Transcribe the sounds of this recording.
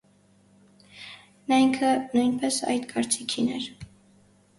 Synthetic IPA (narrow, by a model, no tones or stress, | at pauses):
nɑiŋkʰənujnpɛsɑ̰jd̪kʰɑɾt͡sikʰinɛɾ